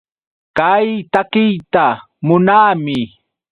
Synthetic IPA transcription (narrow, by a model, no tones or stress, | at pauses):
kajt̪akɪjt̪a | mʊnaːmɪ